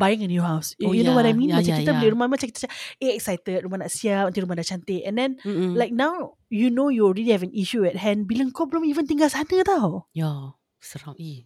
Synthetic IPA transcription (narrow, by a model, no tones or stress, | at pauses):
bajĩŋɛ̃njuɦawsojunowɔtajmĩnmat͡ʃãkiit̪ailiɾumãmat͡ʃãŋkit̪ə̥t͡ʃaeɛksajt̪ət̚ɾumahnaʔsiap̚ənt̪iɾumahdaʔt͡ʃant̪ɪʔɛ̃ndɛ̃nlajk̚naw | junojulɹilihɛvɛ̃niʃuɛt̚ɦɛ̃nbilə̃ŋkɔblə̃mivə̃nt̪iŋɡalsanət̪awja | səɾãni